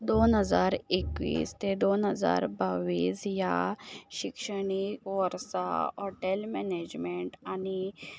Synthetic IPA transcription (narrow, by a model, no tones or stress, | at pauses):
d̪onɦəd͡zaɾekʋḭːst̪ed̪onɦəd͡za̰ɾbaʋiːsjaɕikʂəɽikʋəɾsa̰ɦɔʈelmɛned͡ʑmeɳʈani